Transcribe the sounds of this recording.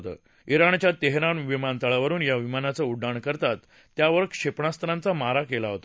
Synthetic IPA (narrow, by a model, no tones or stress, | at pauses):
t̪ə̰ | iɾaɳt͡ɕjat̪eɦɾanʋimant̪aɭaʋəɾuːnjaʋimanat͡səuɖːaɳkəɾt̪at̪ː | jaʋəɾkʂepɳast̪əɾãnt͡samaɾakelaɦot̪a